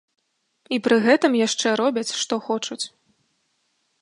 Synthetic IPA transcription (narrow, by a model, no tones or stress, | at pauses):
ipɾɨɣɛt̪ɨmjaʂt͡ʂɛɾɔbʲɐt͡sʲʂt̪ɔxɔt͡ʂut͡sʲ